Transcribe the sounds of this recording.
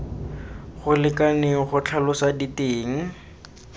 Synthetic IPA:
χʊlɪkʼaneχʊt͡ɬʰalʊsaditeːŋ̩

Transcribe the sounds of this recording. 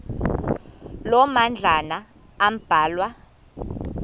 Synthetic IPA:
lɔmand͡ɮʱanaː | m̩b̥ʱaːlwa

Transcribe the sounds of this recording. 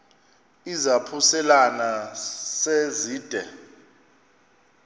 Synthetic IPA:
izapʰusɛlanaseziːd̥ʱɛ

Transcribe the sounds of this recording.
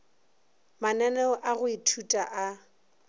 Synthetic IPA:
manɛnɛɔʔaɣʊitʰutʼaʔa

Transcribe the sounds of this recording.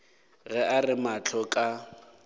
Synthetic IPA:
ɣɛʔarɪmat͡ɬʰɔkʼa

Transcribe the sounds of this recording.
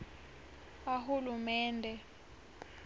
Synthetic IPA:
aɦulumɛːndʱɛ

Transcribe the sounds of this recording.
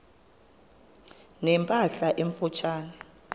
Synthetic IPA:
nɛmpʼaɬaʔeɱfut͡ʃʰaːnɛ

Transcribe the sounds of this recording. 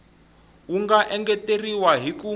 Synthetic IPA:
uŋɡaʔɛŋɡɛteriwaɦiku

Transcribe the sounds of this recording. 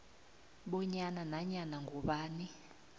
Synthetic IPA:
ɓɔɲananaɲanaŋɡʱɔɓaːni

